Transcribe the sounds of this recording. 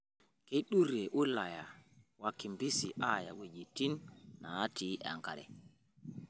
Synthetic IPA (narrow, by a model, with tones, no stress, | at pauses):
ke˦ɗu˦ɾɛ˨ʔu˦la˨ja˨wakːi˨mbi˦siʔaja̰˨we˨d͡ʒi˨ti˦nːa˨a˦tiʔa̰˨ŋka̰ɾɛ̰˨